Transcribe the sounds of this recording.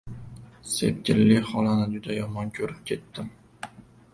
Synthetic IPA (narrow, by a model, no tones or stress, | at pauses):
sḛp̚tʲʰɪlːɪχɒlanɪd͡ʒʊd̪ajɒmɒnkʲʰɵɾɪp̚kʲʰe̞t̪ːɪm